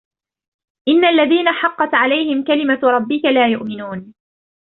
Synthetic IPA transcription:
ʔɪnːaʔalːaðiːnaħɑqːɑt̪ʕalajhɪmkalɪmaɾˤɑbːɪkalaːjʊʔmɪnuːn

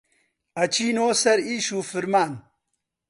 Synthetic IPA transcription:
ɐt͡ʃʰiːnoːsɐɾiːʃuːfɨɾmaːn

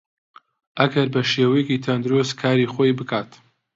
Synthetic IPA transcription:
ʔɐɡɐɾbɐʃeːwɐjɛkiːt̪ʰɐnd̪ɨɾoskʰaːɾiːχojbɨkʰaːt̪ʰ

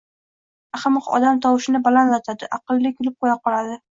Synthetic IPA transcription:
aχɨmɨqɒ̰d̪amt̪ʰɒwɪʃɪnɪbalanlat̪ʰad̪ɪʔɑqɨlˠːɪkʲʰʊlɪp̚qʰojaqʰɒlˠad̪ɪ

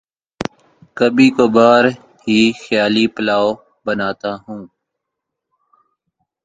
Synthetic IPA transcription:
kəbiːkoːbaːɾ | hiːxjaːliːpəlaːoː | bənaːt̪aːɦũː

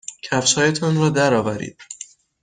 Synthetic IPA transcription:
cʰæfʃɒːjet̪ʰɒnɾɒːd̪æɾɒːvæɾḭːd̪̥̚

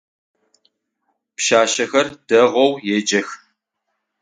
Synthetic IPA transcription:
pʃaːʃɐxɐrd̥ɐʁʷɔwjed͡ʒɐx

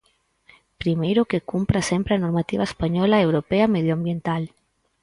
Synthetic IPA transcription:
pɾimejɾʊkekumpɾasempɾeanoɾmat̪iβaespaɲɔlaewɾopeɐmeðjoambjent̪al

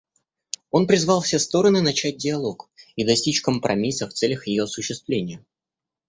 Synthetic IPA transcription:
o̞npɾʲɪzvɑlˠfsʲest̪o̞ɾənɨnɐt͡ɕæt̚ʲdʲɪɐlˠo̞kid̪ɐsʲtʲit͡ɕkəmpɾɐmʲisəft̪sɛlʲəxjɪjo̞ɐsʊɕːɪst̪vlʲenʲɪjə

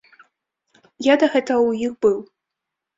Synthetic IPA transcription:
jad̪ɐɣɛt̪ɐɐwjixbɨw

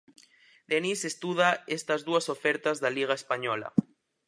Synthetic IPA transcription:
d̪enisest̪uð̞aest̪azðuasofeɾt̪azðaliɣ̞aespaɲɔla̰

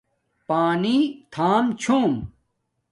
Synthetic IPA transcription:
paːnit̪ʰaːmt͡ɕʰoːm

